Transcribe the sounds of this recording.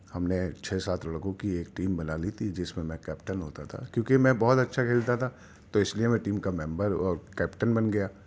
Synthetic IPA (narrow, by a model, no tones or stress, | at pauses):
hɐmnet͡ʃʰɛːsaːt̪ʰɐɽɐɡõkieːkʈiːmbɐnaːlit̪ʰid͡ʒɪsmẽmɛ̃kɛːpʈənɦoːt̪at̪ʰa̰ːkjõːkimɛ̃bɔːt̪ɐtːʃʰakʰeːlt̪at̪ʰaː | t̪oɪsliemɛ̃ʈiːmkamɛ̃mbəɾɔːɾkɛːpʈənbɐnɡɐjaː